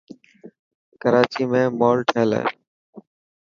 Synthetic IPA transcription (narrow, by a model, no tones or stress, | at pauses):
kəɾaːt͡ʃiːmẽːmoːlʈʰeːlḛː